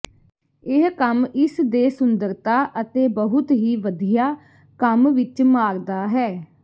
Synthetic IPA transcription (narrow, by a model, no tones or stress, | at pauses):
ɪɦkəmɪsd̪eːsʊnd̪əɾt̪aːʔət̪eːbəɦʊt̪ɦiːʋəd̪ijaː | kəmʋɪt͡ʃmaːɾd̪aːɦɛː